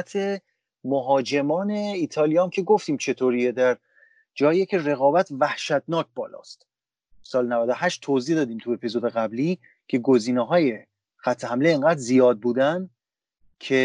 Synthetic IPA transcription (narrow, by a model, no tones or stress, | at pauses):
t̪ʰe | moɦɒːd͡ʒe̞mɒːne̞iːt̪ʰɒːlijɒːmcʰe̞ɡoft̪iːmt͡ʃʰe̞t̪ʰoːɾied̪æɾ | d͡ʒɒːijecʰe̞re̞ɣɒːbæt̪ʰvæhʃæt̪̚nɒːc̚ʰbɒːlɒ̰ːst̪ | sɒːlenævæd̪ohæʃt̪ʰːozihd̪ɒːd̪iːmt̪ʰue̞pʰizo̞d̪eɣæbliː | cʰe̞ɡoziːneɦɒːje̞ | xæt̪ʰːehæmleːŋɡæːd̪zijɒːd̪̚buːd̪æn | cʰe